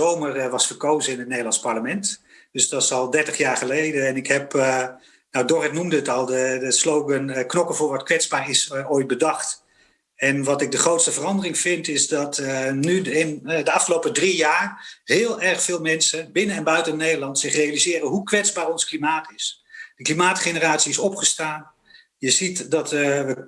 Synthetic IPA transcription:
owmərʋɑsfərkowzəɪnətnejdəlˠɑnspaɹləmɛnt | d̥øsdɔtsɔlˠdɛɹtəχjaːɹχəlejdəɛnɪkɦɛp | nawdorɛtnumdəətɔlˠdədəslowɡənknɔkəvʊːɹʋɔtkʋɛtzbaːɹɪsoːjt̚bədɑχt | ɛnʋɑtɪk̚dəχrowtstəvərɑndərɪŋfɪntɪzdɔtnyɪndəɑfχəlowpədrijaːrhɪːlˠɛrχfɪːlˠmɛnsəbɪnəɛnbœɥtənejdəlˠɑntsɪχrejalizɪːrəɦukʋɛzbaːrɔnsklimaːtʰɪs | d̥əklimaːtχenəraːtsiɪsɔpχəstaːn | jəzitdɔtʋə

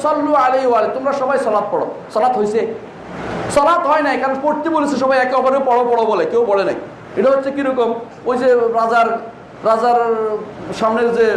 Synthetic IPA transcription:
sɔlːualejoalet̪umɾaʃɔbajsɔlat̪̚pɔɽɔ̰sɔlat̪ɦojse | sɔlat̪ɦɔjnajkaɾɔnpoɾt̪ibolisʰeʃɔbajɛkɔpɔɾewpɔɽopɔɽobɔlekewpɔɽena̰j | eʈaɦot̪ːsʰekiɾɔkɔm | ojzeɾad͡zaɾ | ɾad͡zaɾ | ʃamneɾze

